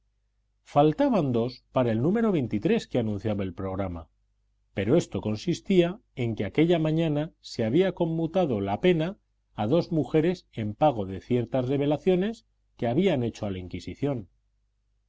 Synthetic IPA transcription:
falt̪aβand̪o̞spaɾaelnũme̞ɾo̞βe̞jnt̪it̪ɾe̞skeanũn̟θjaβae̞lpɾo̞ɣ̞ɾama̰ | pe̞ɾo̞e̞st̪o̞ko̞nsist̪ia | e̞ŋkeake̞ʎamãɲãnaseaβ̞iako̞mːut̪að̞o̞lape̞naː | ðo̞zmuxe̞ɾe̞se̞mpaɣ̞o̞ðe̞θje̞ɾt̪azre̞β̞e̞laθjo̞ne̞s | keaβiane̞t͡ʃo̞alaiŋkisiθjo̞n

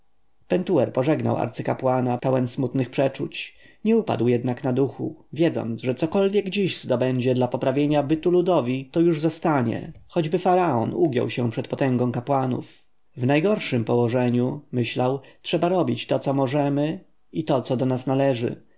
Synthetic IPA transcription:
pɛnt̪uɛɾpɔʐɛɡna̰wa̰ɾt̪sɘkapwanapɛwɛnsmut̪nɘxpʂɛt͡ʂut͡ɕɲɛupa̰d̪wjɛd̪naknad̪uxṵvʲjɛd̪zɔ̰nt̪ʐɛt̪sɔkɔlvʲjɛɡd͡ʑiʑz̥d̪ɔbɛɲd͡ʑɛd̪lapɔpɾavʲjeɲabɘt̪ulud̪ɔvʲit̪ɔjuʐzɔst̪aɲɛ̰xɔd͡ʑbɘfaɾaɔ̰nuɡʲjɔ̰wɕɛ̃pʂɛt̪̚pɔt̪ɛ̃ŋɡɔ̃w̃kapwanṵf | vnajɡɔɾʂɘmpɔwɔʐɛɲumɘɕlawtʂɛbaɾɔbʲit͡ɕt̪ɔt̪sɔmɔʐɛmɘ | it̪ɔt̪sɔd̪ɔnasnalɛʐɘ̰

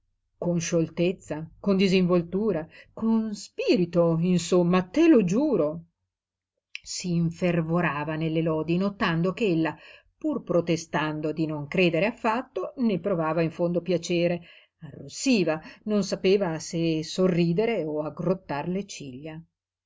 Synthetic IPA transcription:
konʃolt̪et̪sːakond̪iziɱvolt̪uːɾakonspiːɾit̪oinsomːat̪ːelod͡ʒuːɾo | siːɱfervoɾaːvanelːelɔːd̪inot̪and̪okeelːa | purpɾot̪est̪and̪od̪inoŋkɾeːd̪eɾeafːat̪ːonepːɾovaːvaiɱfond̪opjat͡ʃeːɾe | arːusiːvanonsapeːvasesorːiːd̪eɾeoaɡrot̪ːarlet͡ʃiʎːa

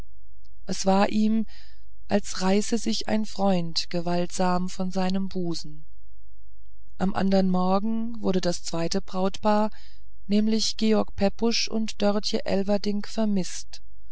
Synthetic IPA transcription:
ʔɛsv̥aːɐʔiːm | ʔalsʁaɪsəzɪça̰ɪnfʁ̥ɔʏntɡ̥əvaltz̥aːmfɔnzaɪnəmbuːzn̩ | ʔamʔa̰ndɐʁənmɔɐɡŋ̩ | vʊɐdədast͡sv̥aɪtəbʁ̥aʊtpaːɐ | nɛːmlɪçɡ̥eːɔɐk̚pʰɛpʊʃʔʊ̰ntd̥œɐtjəʔɛ̰lvɐdɪŋkfɛɐmɪst

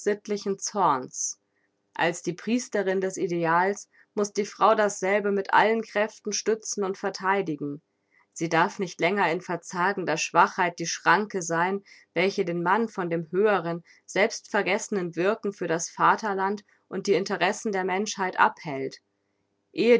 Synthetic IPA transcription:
z̥ɪtlɪçn̩t͡sɔɐns | ʔa̰lsd̥iːpʁ̥iːstəʁɪndɛsideaːls | mʊsd̥iːfʁ̥aʊdasz̥ɛlbəmɪtʔa̰lənkʁ̥ɛftn̩ʃtʏt͡sn̩ʊntfɛɐtʰaɪdɪɡŋ̩ | z̥iːdaɐfnɪçtlɛŋɐɪnfɛɐt͡saːɡŋ̩dɐʃv̥aχhaɪt̚d̥iːʃʁ̥aŋkəzaɪnvɛlçədeːnmanfɔndeːmɦøːəʁ̞ən | z̥ɛlpstfɛɐɡɛsənənvɪɐkŋ̩fyːɐɾasfaːtɐlant | ʔʊnt̚d̥iːɪntəʁɛsn̩deːɐmɛnʃhaɪtʔa̰phɛlt | ʔeːə

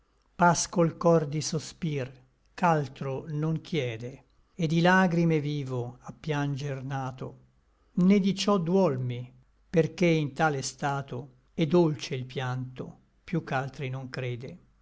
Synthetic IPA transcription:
paskoilkɔrd̪isospir | kalt̪ɾonoŋk̟ʰjɛːd̪e | ed̪ilaːɡɾimeviːvoapːjand͡ʒernaːt̪o̰ | ned̪it͡ʃɔd̪wɔlmi | perkeint̪aːlest̪aːt̪o | ɛd̪ːolt͡ʃeilpjant̪o̰ | pjukːalt̪ɾinoŋkɾeːd̪e

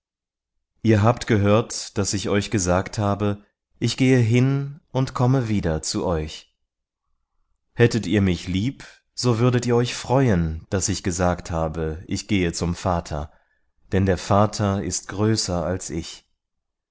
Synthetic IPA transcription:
ʔiːɐɦaːptɡ̥əɦøːɐtd̥asɪçɔʏçɡ̥əzaːkthaːbə | ʔɪçɡ̥eːəɦɪnʔʊntkʰɔməviːdɐt͡suʔɔʏç | hɛtətiːɐmɪçliːp | z̥oːvʏɐɾətiːɐɔʏçfʁ̥ɔʏənd̥asɪçɡ̥əzaːkthaːbəʔɪçɡ̥eːət͡sʊmfaːtʰɐ̰ | d̥ɛndeːɐfaːtʰɐɪ̰st̚ɡ̥ʁøːsɐalsɪç

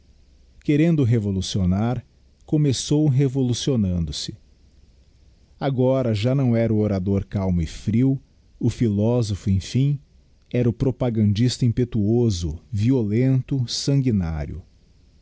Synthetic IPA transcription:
keɾẽnd̪ʊɦevolusionaɾ | komesowɦevolusionɐ̃nd̪ʊsɪ | aɡɔɾɐʒanɐ̃w̃ɛɾʊoɾad̪oɾkawmʊɪfɾiw | ʊfilɔzofʊẽfĩ | ɛɾʊpɾopaɡɐ̃nd͡ʒist̪ɐĩpet̪uozʊviolẽnt̪ʊsɐ̃ŋɡina̰ɾjʊ̰

